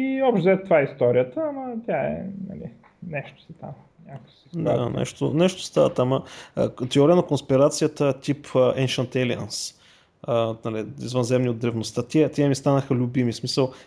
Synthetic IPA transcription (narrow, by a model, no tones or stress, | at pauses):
iɔpʃt̪zɛt̪o̥t̪ovaɛist̪ɔɾijət̪əːmət̪ʲjaɛ̰nɐ̰lḭ | nɛʃt̪o̥sɛt̪a̰m | nʲakə̥si̥d̪a̰nɛ̰ʃt̪o̰nɛʃt̪o̥st̪avət̪amə̰t̪ɛɔɾiənɐkonspiɾat̪sijət̪ət̪ipʰəʔɛnʃənt̪ɛliə̰ns | ənɐliḭzvənzɛmnʲiod̪d̪ɾɛvnost̪at̪ʲiɛt̪ʲɛɛmist̪anəxəlʲʊbimismisəlˠ